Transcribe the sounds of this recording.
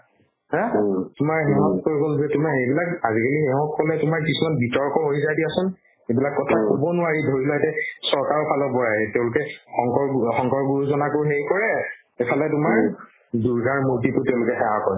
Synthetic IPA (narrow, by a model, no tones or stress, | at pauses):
hɛ̃tʊmaɹɦiɦɔntkoɹiɡolzɛtʊmaejbilakazikaliɛɔ̃kʰːɔlɛtʊmaɹkisumanbitɔɹkɔɦojzajdiasʊn | ebilakːɔtʰakʰubɔnʊaɹidʱoɹilɔɛtɛsɔɹkaɹɔpʰalɔbɔɹaɛtɛʊ̃lʊkɛxɔŋkɔɹxɔ̃ŋkɔɹɡuɹuzɔnakʊɹɦeɹikɔɹɛ | epʰalɛtʊmaɹ | duɹɡaɹmuɹtitʊtɛʊ̃lʊkɛxɛwakɔɹɛ